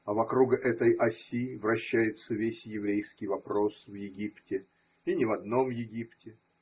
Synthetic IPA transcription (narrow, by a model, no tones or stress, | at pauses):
ɐvɐkɾuɡʔɛt̪əjʔɐsʲivrɐɕːæjɪt̪səvʲesʲjɪvɾʲejskʲɪjvɐpɾo̞svjɪɡʲiptʲɪ | inʲɪvɐd̪no̞mjɪɡʲiptʲɪ